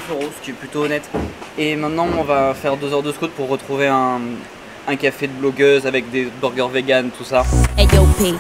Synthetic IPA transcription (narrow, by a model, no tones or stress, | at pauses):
føʁosə̥kʲiɛplyt̪oːnɛt̪emɛ̃t̪nɑ̃ɔ̃vafɛʁd̪øzœʁd̪əskut̪̚puʁːət̪χuveɛ̃ | ɛ̃kafed̪əblɔɡøzavɛk̚d̪ebɔʁɡʲœʁveɡant̪usaɛjɔpe